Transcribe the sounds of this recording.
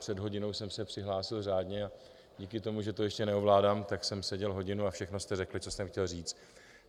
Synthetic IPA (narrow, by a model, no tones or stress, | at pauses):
pr̥ɛdɦo̞ɟɪno̞wsɛmsɛpr̥ɪɦlaːsɪlraːdɲɛa | ɟiːkɪt̪o̞muʒɛt̪o̞jɛʃcɛnɛovlaːdaːmt̪aksɛmsɛɟɛlɦo̞ɟɪnuafʃɛxno̞st̪ɛrɛklɪt͡so̞st̪ɛmxcɛlriːt͡st̪